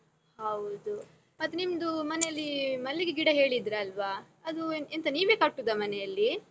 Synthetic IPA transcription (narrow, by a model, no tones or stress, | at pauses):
hɐwd̪u | mɐt̪ːunimd̪umɐnɛjɐlːimɐlːiɡeɡiɽɐɦe̞ːɭid̪ɾeɐlʋa | ɐd̪uent̪ɐniːʋeːkɐɽʈːud̪ɐmɐnɛjɐlːi